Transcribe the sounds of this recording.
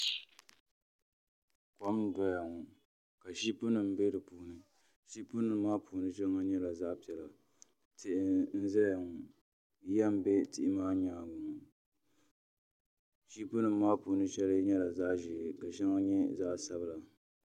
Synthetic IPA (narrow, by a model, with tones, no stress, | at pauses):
kɔ˦m˦da˦ja˨ŋʊ˨ | ka˨ʃi˦pʊ˦nɨ˨m˨be˦dɨ˨puː˨˦nɨ˨ | ʃi˦pʊ˦nɨ˨m˦maː˦pʰu˨nɨ˦t͡ʃɛ˦ŋa˦ɲɛ˦la˨zaː˦pi˨ɛ˨la˨ | tɪ˦ʔn̩˦zɨ˦lja˨ŋ˨˦ | ja˦m˨be˦tɪ˦ʔɪ˦maː˦ɲaː˨ɡʊ˨ŋ˨ | ʃi˦pʊ˦nɨ˨mː˦aː˦pu˨nɨ˦t͡ʃɛ˦lɨ˦ɲɛ˦la˨za˦ʔʒɪ˨ka˨ʃɛ˦ŋa˦ɲɛ˦zaː˦ʔsa˦bɨ˦la˨